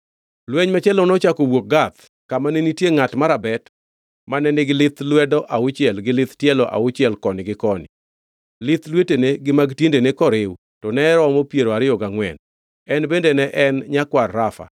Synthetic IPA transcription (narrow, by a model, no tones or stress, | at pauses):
lwɛɲmat͡ʃɛlɔnɔt͡ʃakowok̚ɡat̪ | kamanenitjeŋatmaɾabɛt | manɛnɪɡɪlɪt̪lwɛdɔʔaʊt͡ʃɪɛlɡɪlɪt̪tjɛlɔʔa̰ʊt͡ʃɪɛlkɔnɪɡɪkɔnɪ̰ | lɪt̪lweteneɡɪmaɡtjendenekɔɾɪw | tɔnɛɾɔmɔpjeɾoaɾɪɔɡaŋwɛ̰n | ɛnbendenɛʔɛnɲakwarːafa̰